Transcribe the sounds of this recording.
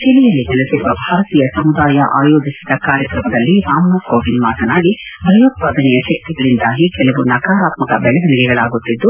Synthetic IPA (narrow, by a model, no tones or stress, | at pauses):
t͡ʃilɛjɐlːinɛlɐsiɾuʋɐbʱaːɾɐt̪iːjɐsɐmud̪aːjɐʔaːjo̞ːɡisid̪ɐkaːɾjɐkɾɐmɐd̪ɐlːiɾaːmnɐkoːʋinmaːt̪ɐnaːɡibɾɐjɐt̪̚paːd̪ɐnɛjɐʃɐk̚t̪iɡɐɭind̪aːɡikɛlɐʋunɐɡaːɾaːt̪mɐkɐbɛɭɛɡɐniɡɛɡɐɭaːɡut̪ːid̪ːu